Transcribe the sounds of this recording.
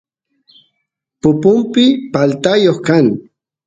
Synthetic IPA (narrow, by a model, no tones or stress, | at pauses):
pʊpʊmpɪpalt̪ajoχkaŋ